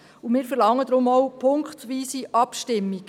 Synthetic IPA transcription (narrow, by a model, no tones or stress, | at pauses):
umɪːɾfɛɾlɑŋːəd̪ɾʊmɔwpʰʊŋkχtʋiːsiʔɑpʃtɪmːiɡ̥